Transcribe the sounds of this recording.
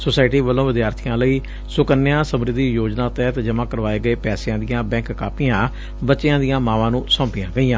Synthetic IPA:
soːsaːɪʈiːʋəlõːʋɪd̪jaːɾt̪ʰijãːləiː | sʊkənːejãːsəmɾɪd̪ijoːd͡ʒnãːt̪ɛːt̪d͡ʒəmãːkəɾʋaːeːɡəeːpɛːsɪãːd̪ɪjãːbɛ̃ːŋkːaːpɪjãː | bətːʃɪjãːd̪ijãːmãːʋãːnũːsɔ̃ːmpɪjãːɡəijãː

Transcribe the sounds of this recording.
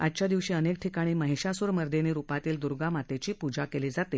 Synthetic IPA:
adt͡ɕjad̪iʋɕiːənek̚ʈʰikaɽ̃iːməɦiɕasuɾməɾd̪ʱeniːɾupat̪iːld̪uɾɡamat̪et͡ɕiːpud͡ʑakeliːd͡zat̪e

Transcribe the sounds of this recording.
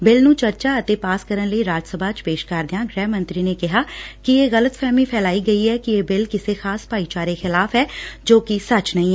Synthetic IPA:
bɪlnũt͡ʃɐɾt͡ʃaɐt̪epaːskəɾənləiɾaːd͡ʒsəbʱat͡ʃpeːʃkaːɾd̪ɪjãɡɾɛːmə̃nt̪ɾinekɪɦakijeːɣɐlət̪fʰɛːmĩpʰɛːlaːiɡɐiɦɛkijeːbɪlkɪsexaːspaːit͡ʃaːɾexɪlaːfɦɛːd͡ʒoːkisɐt͡ʃnɐɦĩɛ

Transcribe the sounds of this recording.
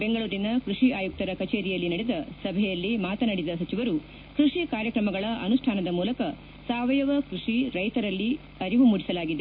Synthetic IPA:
be̞ŋɡɐɭuːɾinɐkɾuʂiaːjuk̚t̪ɐɾɐkɐt͡ʃeːɾijɐlːinɐɽed̪ɐsɐbʱɛjɐlːimaːt̪ɐnɐɽid̪ɐsɐt͡ʃiʋɐɾu | kɾuʂikaːɾjɐkɾɐmɐɡɐɭɐʔɐnuʂʈʰaːnɐd̪ɐmuːlɐkɐ | saːʋɐjɐʋɐkɾuʂiɾɐjt̪ɐɾɐlːi | ɐɾiʋumuɽisɐlaːɡid̪e

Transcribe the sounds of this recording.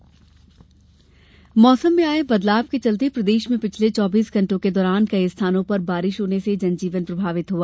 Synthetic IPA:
mɔːsəmbiaːebɐd̪laːb̚ket͡ʃɐlt̪ipɾɐd̪eːʃmẽpɪt͡ʃʰlet͡ʃɔːbiːsɡʱɐ̃ɳʈõked̪ɔːɾaːnkɐiɪst̪ʰaːnõpɐɾbaːɾɪʃɦoːnesed͡ʒɐnd͡ʒiːʋənpɾɐbʱaːʋɪt̪ɦuaː

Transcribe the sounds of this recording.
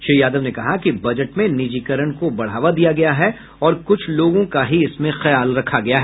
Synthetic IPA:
ʃeijaːd̪əʋnekɐɦakibɐd͡ʒəʈmẽnɪd͡ʒiːkəɾəɽ̃kobɐɽ̤ɦaːʋad̪ijaɡɐjaɦɛ | ɔːɾkʊt͡ʃʰloːɡõkaɦiɪsmẽxɐjaːlɾɐkʰaɡɐjaɦɛː

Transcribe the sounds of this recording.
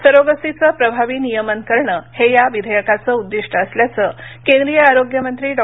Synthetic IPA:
səɾoɡəsit͡səpɾəbʱaʋiːnijəmənkəɾɳəhejaʋid̪ʱəjəkat͡səːud̪ːiʂʈʰəːsljat͡səːkẽnd̪ɾijəaɾoɡjəmənt̪ɾiːɖɔ

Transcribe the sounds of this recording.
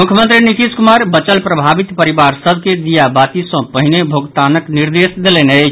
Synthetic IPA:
mukʰjəmənt̪ɾinit̪iskumaɾbət͡ʃəlpɾəbʱabit̪pəɾibaɾsəbʱked̪ijabat̪isə̃pəɦinebʱoɡt̪anəkniɾd̪esd̪elɛnəjt͡ʃʰ

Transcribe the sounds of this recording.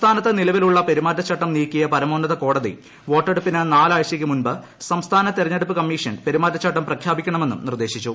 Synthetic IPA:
t̪ʰaːnɐt̪ːɐnilɐʋiluɭːɐpe̞ɾimaːtːɐt͡ɕʰːɐʈːɐmniːkːijɐpɐɾɐmoːnːɐðɐko̞ːɽɐðḭ | ʋo̞ːʈːeɽupːinɨnaːlaːjɕɐk̬ʲːɨmunbɨ | sɐmst̪ʰaːnɐt̪irɐɲːe̞ɽupːɨkɐmːiːʂɐnpe̞ɾimaːtːɐt͡ɕʰːɐʈːɐmprɐkʰjaːbikʲːɐɳɐme̞nːumnird̪e̞ːɕit͡ɕːu

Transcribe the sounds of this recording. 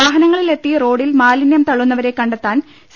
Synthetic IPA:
aːɦɐnɐŋːɐɭile̞t̪ːiro̞ːɽilmaːlinjɐmt̪ɐɭːunːɐʋɐɾe̞kːɐɳɖet̪ːaːn | s

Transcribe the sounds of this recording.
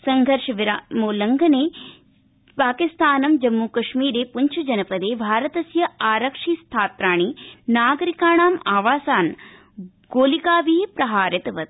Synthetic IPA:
sɐŋɡʱɐɾʂɐʋiɾamoːlɐŋɡʱɐneː | paːkist̪ʰaːnɐmd͡ʒɐmːukɐʂmiːɾeːpuɲt͡ʃʰud͡ʒɐnɐpɐd̪eːbʱaːɾɐt̪ɐsjɐaːɾɐkʂiːst̪ʰaːt̪ɾaːɳ̃inaːɡɐɾikaːɳaːmaːʋaːsaːn | ɡoːlikaːʋiːjpɾɐɦaːɾɐt̪ɐʋɐt̪̚

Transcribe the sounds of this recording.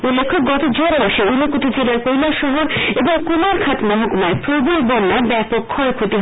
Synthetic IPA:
ulːekʰːoɡɔt̪od͡ʑoɾabaʃeunokoʈid͡ʑelaɾkojlaɾʃɔɦoɾeboŋkumaɾkʰat̪mɔɦakumaepɾobeɾbɔnːabɛpokʰːɔɾekʰot̪iɦ

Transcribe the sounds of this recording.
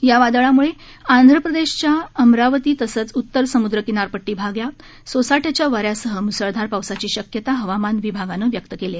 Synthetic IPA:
jaʋad̪əɭamuɭe | and̪ʱɾəpɾəd̪eɕt͡ɕjaəmɾaʋət̪iːt̪əsəːt͡sut̪ːəɾsəmud̪ɾəkinaɾpəʈːiːbʱaɡja | sosaʈjat͡ɕjaʋəɾjasəɦəmusəɭd̪ʱaɾpawsat͡ɕiːɕəkjət̪aɦəʋamanʋibʱaɡanəʋjək̚t̪əkele

